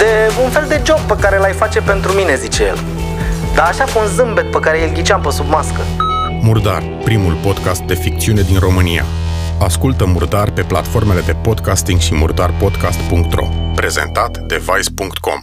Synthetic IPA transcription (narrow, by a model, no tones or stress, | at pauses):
d̪̥e̞unfe̞ld̪e̞d͡ʒo̞b̚pəkaɾe̞lajfat͡ʃe̞pe̞nt̪ɾumine̞zit͡ʃeje̞̰l | d̪aːʃakuunzɨmbe̞t̪̚pəkaɾe̞ilɡʲit͡ʃampəsubmaskə | murd̪a̰r | pɾimulpo̞d̪kast̪̚d̪e̞fik̚t̪siune̞d̪inro̞mɨnija̰ | askult̪əmurd̪arpe̞pla̰t̪fo̞rme̞le̞d̪e̞po̞d̪kast̪iŋɡʃimṵrd̪arpo̞d̪kast̪puŋk̚t̪ɾo̞̰pɾe̞ze̞nt̪at̪d̪e̞vajspuŋkt̪ko̞̰m